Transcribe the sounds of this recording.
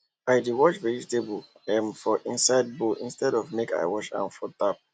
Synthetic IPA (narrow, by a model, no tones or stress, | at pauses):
aɪdiwɔt͡ʃvɛɹitebu | ɛ̃mfɔʔĩnsaɪd̚boʔĩnstɛdɔvmeka̰ɪwɔt͡ʃã̰nfɔt̪ap̚